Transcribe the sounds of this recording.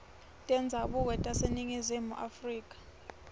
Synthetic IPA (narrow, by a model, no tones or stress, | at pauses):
tʼɛnd͡zʱaɓuk̬ɛtʼaseniŋizimṵʔafriːkʼḁ